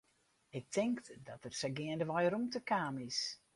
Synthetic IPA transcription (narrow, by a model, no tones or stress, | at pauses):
ɪk̚tʰɪŋkdɔtərsəɡɪəndəʋɔjɾumtəkaːmɪs